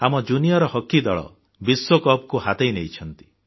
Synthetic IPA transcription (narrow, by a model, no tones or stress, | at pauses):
amɔd͡ʒunijɔɾɔhɔkːid̪ɔɭɔ̰ | biswokɔp̚kuhat̪ejnejt͡ʃʰɔnt̪i̥